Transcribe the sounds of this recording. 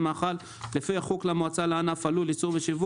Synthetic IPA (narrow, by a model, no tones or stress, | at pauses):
maːχal | lefiaχuklamoat͡salaanafalulit͡suʁbeʃivu